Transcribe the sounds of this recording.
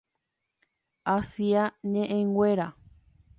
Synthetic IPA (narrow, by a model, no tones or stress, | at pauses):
asiaɲẽʔẽŋɡʷeɾa